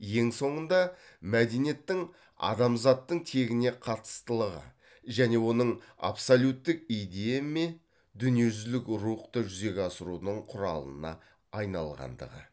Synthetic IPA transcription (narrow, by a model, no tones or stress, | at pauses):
je̞ŋso̞ɴənd̪ɑ | mæd̪enije̞t̪ːɪŋ | ɑ̰d̪ɑmzɑt̪ːəɴt̪ʰe̞ɡʲɪne̞qʰɑt̪ə̥st̪əlˠəʁə̰ | ʒæne̞wo̞nəɴa̰psolʲjut̪ːɪk̚ijd̪e̞jeme | d̪ʏnije̞ʒʏzlɪkɾuqt̪əʒʏze̞kʲɑsəɾunəɴqʰʊɾɑ̰lˠə̰nɑ̰ | ɑjnɑ̰lˠʁɑ̰nd̪ə̰ʁə̰